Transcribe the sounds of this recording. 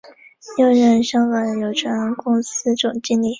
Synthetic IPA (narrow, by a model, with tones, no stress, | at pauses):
jo˥˧ʊɻə˥˩nʂɑ˥ŋka˨˩njo˨˩ʊʈ͡ʂʰwa˧˥nkʊ˥ŋs̩˥ʈ͡ʂʊ˨˩ŋt͡ɕi˥nli˥˨˩